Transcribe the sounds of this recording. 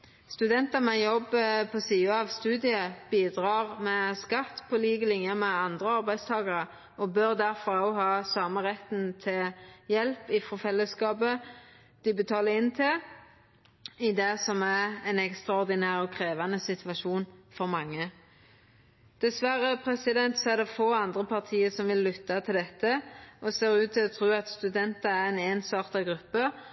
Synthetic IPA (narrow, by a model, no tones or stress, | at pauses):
st̪ʉd̪ɛnt̪ɑmɛjɔbːpʰɔsiːəɑʋst̪ʉːd̪ɪəb̥iːd̪ʁɑːʁmɛskɑt̪ːpʰɔliːɡəlɪŋjəmɛɑnd̪ʁəɑʁbæɪst̪ʰɑːɡɑʁə | ɔbøʁd̪æʁfɔɾɑʊɦɑːsɑːməʁɛt̪nt̪ʰɪjɛlpɪfɔfɛlːəskɑːbə | d̪̥ɪbət̪ʰɑːləɪnt̪ʰɪ | ɪd̪ɛsɔmæʁɛnɛkst̪ʁɑɔʁd̪ɪnæːʁɔkʰʁeːʋɑnəsɪt̪ʋɑʃuːnfɔʁmɑŋːə | d̪̥ɛsʋæɾəpʰʁɛsɪd̪ɛnt̪sɔæʁd̪ɛfoːɑnd̪ʁəpʰɑʁt̪ʰiːəsɔmʋɪlːʏt̪ːɑt̪ʰɪld̪ɛt̪ːəʔɔseːʁʉːt̪̚d̪ɪɔt̪ʰɾuːɑt̪st̪ʉd̪ɛnt̪ɑæʁɛneːnsɑːʁt̪ɑɡɾʉpːə